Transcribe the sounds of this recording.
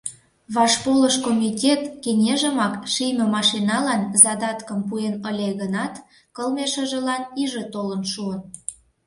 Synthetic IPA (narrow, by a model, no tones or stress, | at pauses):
βɑʃpoləʃkomʲitʲet̪kenʲeʒə̆mɑkʃijmʲə̆mɑʃinɑlɑnzɑd̪ɑt̪kə̆mpuenəlʲeɣənɑt̪ | kəlmeʃə̆ʒə̆lɑniʒĕt̪olənʃuən